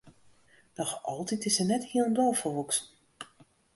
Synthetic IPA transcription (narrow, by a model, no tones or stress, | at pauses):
d̥ɔxɔlˠtitɪsɛnɛthiəlˠəndɔlˠfərʋuksn